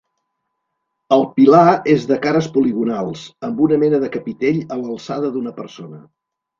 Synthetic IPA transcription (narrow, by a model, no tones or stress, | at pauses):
əlˠpilaezðəkaɾəspuliɣunalˠzəmbunəmɛnəðəkəpit̪eʎələlˠsaðəðunəpəɾsonə